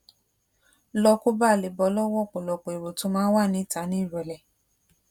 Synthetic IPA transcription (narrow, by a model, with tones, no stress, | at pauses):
lɔ˧ko˦ba˦˨le˨bɔ˧˦lɔ˦wɔ˦˨k͡po˨lɔ˧k͡po˨e˨ɾo˨to˨˦mãː˦wa˦˨nĩ˨˦ta˨˦nĩ˦i˦˨ɾɛ˨lɛ˨